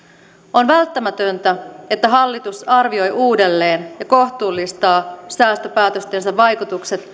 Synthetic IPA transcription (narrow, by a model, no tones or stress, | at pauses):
o̞nʋælt̪ːæmæt̪ønt̪æe̞t̪ːæɦɑlːit̪usɑrʋio̞jʔuːde̞lːe̞ːnjɑko̞ht̪uːlːist̪ɑːsæːst̪øpæːt̪ø̞st̪ensæʋʋːɑjkut̪ukse̞t̪